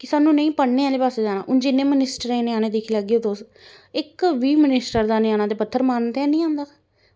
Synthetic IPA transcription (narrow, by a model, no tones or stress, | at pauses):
kɪsaːnːũːnəĩːpəɽnẽːaːleːpaːseːd͡ʒaːna̰ːʔʊnd͡ʒɪnːẽːmənɪsʈəɾẽːnɪaːnẽːd̪eːkʰiːlaɡeːoːd̪oːs | ɪkʋiːmənɪsʈəɾd̪aːnɪjaːnaːt̪eːpət̪ʰːəɾmaːnt̪ɛ̃ːnĩːãːnd̪aː